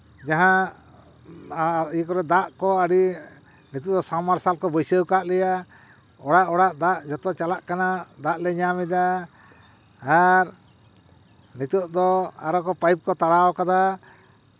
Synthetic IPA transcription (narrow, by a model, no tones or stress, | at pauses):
d͡ʒaɦã | ijkɔɾɛd̪aʔkɔaɽi | nit̪uʔd̪ɔsamaɾsalkɔbɔjsəwkaʔlɛja | ɔɽaʔɔɽaʔd̪aʔd͡ʒɔt̪ɔt͡ʃalaʔkanad̪aʔlɛɲamɛd̪a | ɾ | nit̪uʔd̪ɔa̰ɾɔkɔpajp̚kɔt̪aɽaɔkad̪a